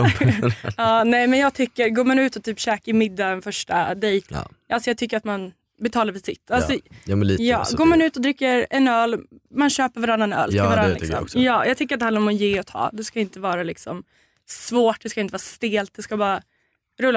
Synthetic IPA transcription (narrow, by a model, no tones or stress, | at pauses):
ɑːnɛjmɛnjɑːɡ̚t̪ʰʏkːəɾɡoːmanʉ̟ːt̪ɔt̪ʰyːpɕɛːkaɪmɪd̪ːaɛnfœʂʈad̪ejt̪ː | ʔalsɔjɑɡ̚t̪ʰʏkːəɾat̪man | bɛt̪ʰɑːlaɾfɪsɪ̰t̪ːalsɔmjɑ̰ːɡoːmanʉ̟ːt̪ɔd̪ɾɪkːəɾɛnœːlmanɕøːpəɾvaɾanːanœ̰ːlvaɾanlɪksɔ̰jɑːjʔɑɡt̪ʰʏkəɾat̪hand̪ɾɔmɔnjɪːɔt̪ʰɑ̰ːd̪ɛskaɪnt̪əvɑːɾalɪksɔm | svoːʈ̚d̪ɛskaɪnt̪əvɑːɾast̪eːlt̪̚d̪ɛskabɑːɾa | ɾɵlːa